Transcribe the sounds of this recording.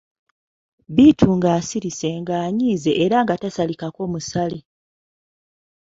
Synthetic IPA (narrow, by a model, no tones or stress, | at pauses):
bitʰuŋɡaːsiɾise̞ŋɡaːɲiːze̞ʔːɾaŋɡatasalikako̞ːmusali